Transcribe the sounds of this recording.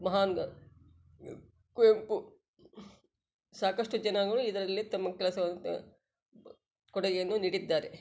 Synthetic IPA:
mɐɦaːnɡɐ | kuempu | saːkɐʂʈud͡ʒɐnaːɡɐɭuid̪ɐɾɐlːit̪ɐmːɐkɛlɐsɐʋɐnːṵ | kɔɽɐɡejɐnːuniːɽid̪ːaːɾe

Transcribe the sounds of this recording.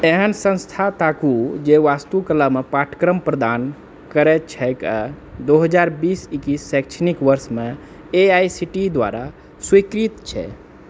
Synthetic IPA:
eɦənsə̃nst̪ʰat̪akud͡ʒeʋast̪ukəlamepaʈʰkɾəmpɾəd̪an | kəɾɛt͡ʃʰɛkə | d̪oɦəd͡ʒaɾbisikisːɛk̚t͡ʃʰnikʋəɾsme | eajsiʈid̪ʋa̰ɾa̰ | swikɾit̪t͡ʃʰɛ̰

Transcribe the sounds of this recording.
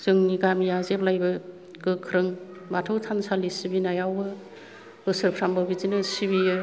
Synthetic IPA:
z̥ɯŋniɡamijazep̚lajbɯ | ɡ̥ɯkʰɾɯŋ | batʰɯwtʰansalisibinajawbɯ | ɯsɯɾpʰɾambɯbizinɯsibijɯ

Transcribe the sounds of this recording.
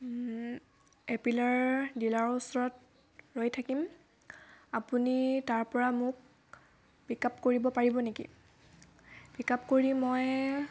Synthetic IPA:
epilaɹdilaɹusɔɹɔt̚ | ɹojtʰakim | apunitaɹpɔɹamʊk̚ | b̥ikapkoɹibɔpaɹibɔnekḭ | bikapkoɹimoj

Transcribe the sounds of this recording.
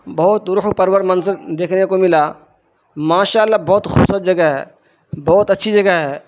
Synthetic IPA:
bɐɦʊt̪̚ʊɾʊɦpɐɾwəɾmɐnzəɾd̪eːkʰnekomɪla | maːʃaːəlːabɔːt̪xʊbsət̪̚d͡ʒɐɡəɦɛ̰ː | bɔːt̪ɐtːʃʰid͡ʒɐɡəɦɛː

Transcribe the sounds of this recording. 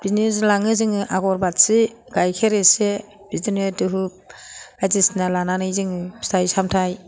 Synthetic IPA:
b̥iznizlaŋɯzɯŋɯʔaɡɔɾbatsi | ɡ̥ajkʰeɾese | b̥izinedɯɦup̚ajzisnalananɯjzɯŋɯstʰajsamtʰaj

